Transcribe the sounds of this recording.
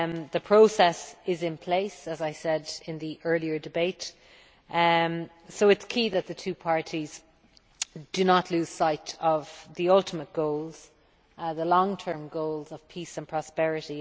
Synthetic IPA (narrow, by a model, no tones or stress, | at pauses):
mðəpʰɹ̥oʊsɛsɪzɪ̃npʰl̥eɪsəzaɪsɛdɪ̃nðiʔɜ˞liə˞dɨbeɪt | soʊɪtskʰiːðət̪̚ðətʰʉːpʰaɹɾʰiz̥ | d̥ənətʰˡlʉːz̥saɪɾəvðiʌlˠtʰəmət̚ɡ̥oʊlˠz̥ | ðəlɔ̃ŋtʰɜ̃˞mɡoʊlˠzəv̥pʰisə̃npʰɹ̥ɑspɛɹɪɾi